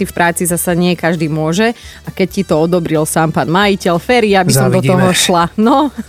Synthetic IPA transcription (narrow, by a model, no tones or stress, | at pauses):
ifpɾʔaːt͡sizasaɲɪɛkaʒd̪iːmʊɔʒɛakɛccit̪ɔɔd̪ɔbɾilsaːmpaːnmajicɛlfɛɾiabisɔmd̪ɔɔɦɔʃlanɔ